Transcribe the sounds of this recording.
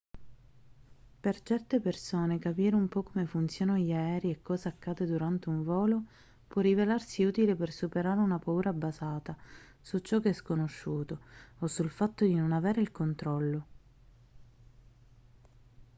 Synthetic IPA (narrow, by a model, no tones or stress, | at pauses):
pert͡ʃɛrt̪epersoːnekapiːɾeumpɔkːomefunt̪sjɔːnanoʎaɛːɾiekːɔːzaːkːaːd̪ed̪uɾant̪euɱvɔːlo | pwɔrːivelarsiuːt̪ilepersupeɾaːɾeunapauːɾabazaːt̪a | sut͡ʃːɔkːeɛskonoʃːuːt̪oosulfat̪ːod̪inonaveːɾeilkont̪ɾɔlːo